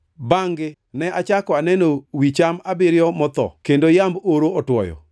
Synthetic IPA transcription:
baŋɡɪ | nɛʔat͡ʃakɔanɛnowit͡ʃamabɪɾɪjɔmɔt̪ɔ̰kendojamboɾoɔtwɔ̰jɔ̰

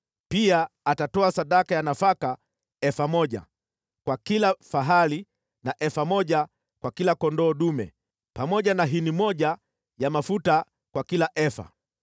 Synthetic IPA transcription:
piaːtatɔasaɗakajanafaka | ɛfamɔʄa̰ | kwakilafaɦali | naʔɛfamɔʄa | kwakilakɔndɔːɗumɛ̰ | pamɔʄanaɦinimɔʄa | jamafuta | kwakilaʔɛfa̰

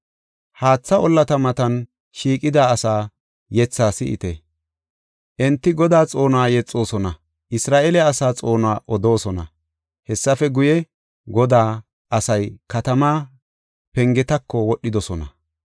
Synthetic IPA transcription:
haːt͡sːɐʔɔlːɐt̪ɐmɐt̪ɐn | ʃiːkʼɪd̪aːɐsaː | jɛt͡sːaːsɪʔɪ̰t̪ɛ | ʔɛnt̪ːɪɡɔd̪aːt͡sʼo̞ːnwaːjɛt͡sʼːo̞ːsɔnɐ | ʔɪsɾaːʔɛlɛɐsaːt͡sʼo̞ːnaːʔɔd̪o̞ːsɔnɐ̰ | hɛsːɐfɛɡʊjɛ | ɡɔd̪aː | ʔɐsɐjkɐt̪ɐmaː | pɛŋɡɛt̪ɐkʰːɔwɔɗːɪd̪ɔsɔnɐ̰

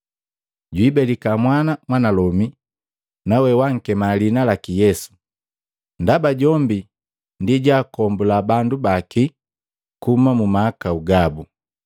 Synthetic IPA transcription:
ɟwibɛlikamwanamwanalɔmi | nawɛwaŋ̩kɛmalinalakijɛsu̥ | ndabaɟɔmbi | ndiɟaːkɔmbulabandubaki | kumamumaːkauɡabu

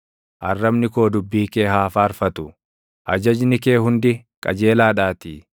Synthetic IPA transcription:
ʔɐ̰rːɐbnɪko̞ːd̪ʊbːiːkeːɦaːfaːɾfɐt̪ʊ | ʔɐd͡ʒɐd͡ʒnɪke̞ːhʊnd̪ɪ | kʼɐ̰d͡ʒe̞ːlaːᶑaːt̪iː

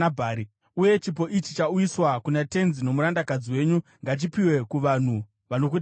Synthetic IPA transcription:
bʱaɾi | uje̞t͡ʃip̬o̞ʔit͡ʃi̥t͡ʃaujiswakunate̞nzino̞muɾandakad͡ziwe̞ːɲuŋɡat͡ʃipiwe̞kuʋan̤u | ʋano̞k̬ut

